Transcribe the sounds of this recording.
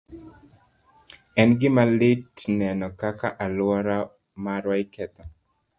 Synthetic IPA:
ɛnɡɪmalɪtnɛnɔkakaʔalwɔɾa | maɾwaikɛt̪ɔ

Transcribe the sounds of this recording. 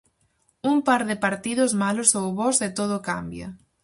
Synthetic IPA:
umpaɾðɪpaɾt̪iðʊzmalʊsowβɔsɪt̪oð̞ʊka̰mbjɐ̰

